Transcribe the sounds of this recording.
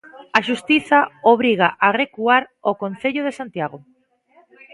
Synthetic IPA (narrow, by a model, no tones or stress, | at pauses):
aʃust̪iθaoβ̞ɾiɣ̞aʔaɣrekuaɾokonθeʎoðesant̪jaɣo